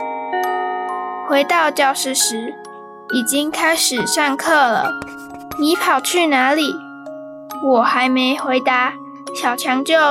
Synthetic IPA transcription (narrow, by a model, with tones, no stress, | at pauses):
xwe˧˥ɪt̪ɑ˥˧ʊt͡ɕjɑ˥˩ʊʂɻ̩˥˩ʂɻ̩˧˥ | i˨˩t͡ɕi˦˥ŋkʰa˥ɪʂɻ̩˨˩ʂa˥˧ŋkʰɤ˥˩lə̰˩ | ni˧˥pʰɑ˨˩ʊt͡ɕʰy˥˩na˧˥li˨˩ | wɔ˨˩xa˧˥ɪme˧˥ɪxwe˧˥ɪt̪a˧˦ | ɕjɑ˨˩ʊt͡ɕʰjɑ˧˥ŋt͡ɕjo˥˩